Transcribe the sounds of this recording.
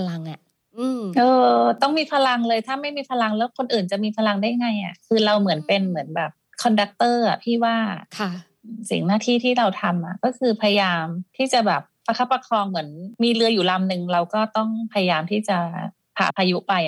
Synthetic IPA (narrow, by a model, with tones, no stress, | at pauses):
pʰa˧la˧ŋʔa˨˩ | ʔɯː˧ʔɤː˧t̪ɔ˥˩ŋmiː˧pʰa˧la˧ŋlɤː˧jt̪ʰaː˥˩ma˥˩jmiː˧pʰa˧la˧ŋlɛː˦˥wkʰo˧nʔɯː˨˩nt͡ɕa˨˩ʔmiː˧pʰa˧la˧ŋda˥˩jŋa˧jʔa̰˨˩kʰɯː˧ɾa˧wmɯ˨˩˦ənpe˧nmɯ˩˦ənbɛː˨˩p̚kʰɔ˧nda˦˥k̚t̪ɤː˥˩ʔa̰˨˩pʰiː˥˩waː˥˩kʰa˥˩˨ | sḭ˨˩˦ŋnaː˥˩t̪ʰiː˥˩t̪ʰiː˥˩ɾa˧wt̪ʰa˧mʔa̰˨˩kɔː˥˩kʰɯː˧pʰa˧ja˧jaː˧mt̪ʰiː˥˩t͡ɕa˨˩bɛː˨˩p̚ːʰa˧kʰa˦˥pːa˧kʰɔː˧ŋmɯ˩˦ənmiː˧ɾɯ˧ɐjuː˨˩la˧mnɯ˧ŋɾa˧wkɔː˥˩t̪ɔ˥˩ŋpʰa˧ja˧jaː˧mt̪ʰiː˥˩t͡ɕa˨˩ | pʰa̰ː˨˩˦pʰaː˧ju˦˥pa˧j